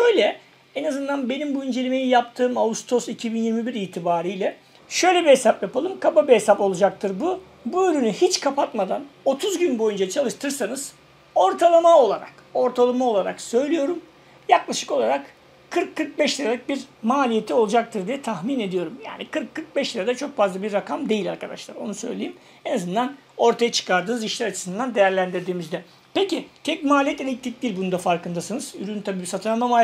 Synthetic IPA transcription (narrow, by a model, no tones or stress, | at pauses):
ʃø̞jlʲɛ | ɛnazɯnd̪anbe̞nimbuind͡ʒe̞lʲimejijapt̪ʰɯːmaust̪ʰo̞sicʰibinjiɾmibiɾiːt̪ʰibaːɾijlʲɛ | ʃø̞jlʲe̞biɦe̞sapjapalˠɯmkʰababiɦesapo̞lˠud͡ʒak̚t̪ʰɯɾbu | buøɾynyhit͡ʃkʰapʰat̪mad̪ano̞t̪ʰuzɟynbo̞jund͡ʒat͡ʃʰalˠɯʃt̪ʰɯɾsanɯz̥ | o̞ɾt̪ʰalˠamao̞lˠaɾa̰ko̞ɾt̪ʰalˠamao̞lˠaɾa̰ksø̞jlʲijo̞ɾum | jaklˠaʃɯ̥ko̞lˠaɾak | kʰːɯɾkʰːɯɾk̚bɛʃlʲiɾalʲikc̚biɾmaːlʲije̞t̪ʰio̞lˠud͡ʒak̚t̪ʰɯɾd̪ijɛt̪ʰaxmine̞d̪ijo̞ɾumja̰ːnikʰɯɾkʰːɯɾk̚bɛʃlʲiɾad̪ɛt͡ʃʰo̞kfazlˠabiɾːakʰamd̪e̞jilʲa̰ɾkad̪a̰ʃlˠaɾo̞̰nusøjlʲejim | e̞nazɯnd̪an | o̞ɾt̪ʰajat͡ʃʰɯ̥kʰaɾd̪ɯːnɯziʃlʲæɾat͡ʃʰɯ̥sɯnd̪and̪e̞jæɾlʲænd̪iɾd̪iːmizd̪ɛ | pecit̪ʰɛc̚maːlʲijɛt̪elʲiclʲic̚d̪ʲiɾʲbunud̪afaɾkɯnd̪asɯnɯz̥yɾynt̪ʰabiːbisat̪ʰɯamamaː